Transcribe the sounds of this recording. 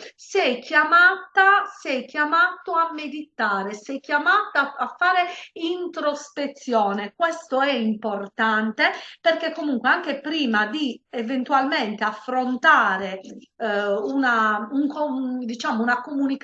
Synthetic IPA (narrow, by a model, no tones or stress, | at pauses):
sɛjkːjamaːt̪asɛjkːjamaːt̪oamːed̪it̪aːɾesɛjkjamaːt̪aafːaːɾeint̪ɾospet̪sːjɔːnekwɛst̪oɛimport̪ant̪eperkekːomuŋkweaŋk̟epɾiːmad̪ievent̪ualmɛnt̪eafːɾont̪aːɾe | unauŋkod̪it͡ʃaːmounakomunik